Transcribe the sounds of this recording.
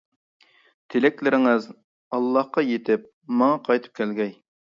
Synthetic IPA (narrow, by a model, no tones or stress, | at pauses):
t̪ʰɪlɪkʲlɪɾɪŋɪz | ɑlˠːɑhqɑjet̪ʰɪp̚ | mɑŋɑqʰɑjt̪ʰɨ̥p̚kʲɛlɡʲɛj